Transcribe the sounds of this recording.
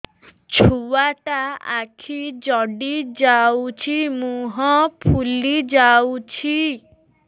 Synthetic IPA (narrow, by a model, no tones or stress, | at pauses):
t͡ʃʰuaʈaa̰kʰid͡ʒɔɖid͡ʒawt͡ʃʰimũɦɔpʰulid͡ʒawt͡ʃʰi